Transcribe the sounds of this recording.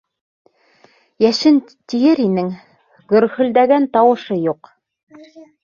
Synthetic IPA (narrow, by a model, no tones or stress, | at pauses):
jæʃɘn | t̪ijɘɾinɘŋ | ɡɵ̆ɾhɵ̆ld̪æɡænt̪ɑwɤ̆ʃɤjuq